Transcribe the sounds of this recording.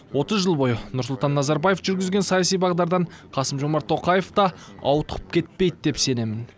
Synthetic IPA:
wo̞t̪əzʒəlˠbo̞jənʊɾsʊlˠt̪ɑnːɑzɑɾbɑjefʒʏɾɡʲɪzɡʲe̞nsɑjɑsijbɑʁd̪ɑɾd̪ɑɴqʰɑsəmʒo̞mɑɾt̪ʰːo̞qɑje̞ft̪ɑɑ̰wt̪əqə̥p̚kʲʰe̞t̪̚pe̞jd̪d̪e̞pse̞ne̞mɪn

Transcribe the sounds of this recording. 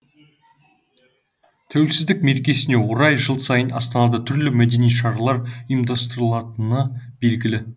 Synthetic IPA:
t̪ʰæwelsɪzd̪ɪk̚me̞ɾkʲe̞sɪne̞woɾɑjʒəlˠsɑjənɑ̰st̪ɑnɑd̪ət̪ʰʏɾlɪmæd̪e̞nijʃɑɾɑlˠɑɾijmd̪ɑst̪əɾəlˠɑt̪ənəbe̞lɡʲɪlɪ

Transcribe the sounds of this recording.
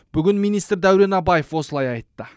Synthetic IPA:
b̥ʏɡʲɪnmijnijst̪ɾd̪æwɾe̞nɑbɑje̞fwo̞səlˠɑjɑjt̪ːə

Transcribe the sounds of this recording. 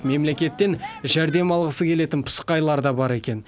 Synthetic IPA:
me̞mle̞kʲe̞t̪ːe̞nʒæɾd̪e̞mɑlˠʁəsəkʲʰe̞le̞t̪ɪnpʰʊ̥sə̥qɑjlˠɑɾd̪ɑbɑɾe̞kʲe̞n

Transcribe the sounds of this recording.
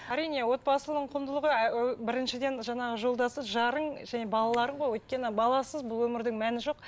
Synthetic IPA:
æɾijne̞wo̞t̪̚pɑsəlˠənəɴqʰʊmd̪əlˠəʁəæbɪɾɪnʃɪd̪e̞nʒɑɴɑʁəʒo̞lˠd̪ɑsəʒɑɾəɴʒæne̞bɑlˠɑlˠɑɾəɴʁo̞jwɵt̪̚kʲe̞nɪbɑlˠɑsəzbʊlˠwɵmɪɾd̪ɪŋmænɪʒo̞q̚

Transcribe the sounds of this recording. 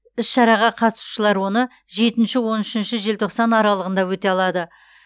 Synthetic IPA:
ɪsʃɑɾɑʁɑqʰɑt̪ə̥su̥ʃəlˠɑɾwo̞nə | ʒe̞t̪ɪnʃɪwo̞nɪʃɪnʃɪʒe̞lt̪ʰo̞qsɑnɑɾɑlˠəʁənd̪ɑwɵt̪e̞ɑlˠɑd̪ə

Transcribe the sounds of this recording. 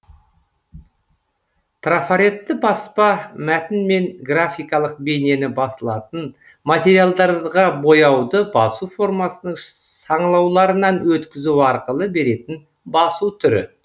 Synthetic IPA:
t̪rafaɾe̞t̪ːɪbɑspɑmæt̪ɪnme̞ŋɡrafʲijkɑlˠəq̚be̞ne̞nɪbɑsəlˠɑt̪ən | mat̪ʲe̞ɾijalˠd̪ɑɾʁɑbo̞jɑwd̪əbɑsufo̞rmɑsənəɴsɑɴlˠɑwlˠɑɾənɑnwɵt̪kʲɪzuɑɾqəlˠəbe̞ɾe̞t̪ɪn | bɑsuwt̪ʰʏɾɪ̰

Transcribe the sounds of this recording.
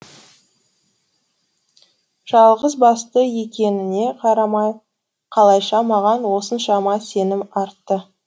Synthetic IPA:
ʒ̥ɑlˠʁəzbɑst̪əje̞kʲe̞nɪne̞qʰɑɾɑmɑj | qʰɑlˠɑjʃɑmɑʁɑnwo̞sənʃɑmɑse̞nɪmɑɾt̪ːə

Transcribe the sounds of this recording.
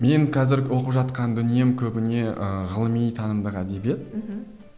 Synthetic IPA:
me̞ŋkʰɑzɪɾwo̞qəpʒɑt̪qɑnd̪ʏnije̞mkʲʰɵbɪne̞ʔəʁəlˠəmijt̪ʰɑnəmd̪əqæd̪e̞bje̞t̪̚

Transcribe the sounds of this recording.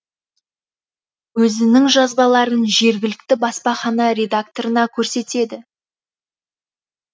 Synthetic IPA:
wɵzɪnɪŋʒɑzbɑlˠɑɾənʒe̞ɾɡʲɪlɪk̚t̪ɪbɑspɑχɑnɑɾʲe̞d̪ak̚t̪o̞ɾənɑkʲʰɵɾse̞t̪e̞d̪ɪ

